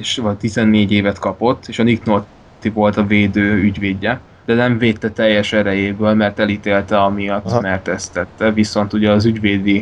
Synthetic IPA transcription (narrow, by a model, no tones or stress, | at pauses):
eʃvɒt̪izɛnːeːɟeːvɛt̪kɒpo̞t̪ːeːʃɒniknot̪ː | ivo̞lt̪ɒveːd̪øːyɟveːɟːɛ | d̪ɛnɛɱveːt̪ːɛt̪ɛjːɛʃɛɾɛjeːbøːlmɛrt̪ɛlit̪eːlt̪ɛɒmijɒt̪ːmɛrt̪ɛst̪ɛt̪ːɛviso̞n̪t̪uɟɛɒzyɟveːd̪i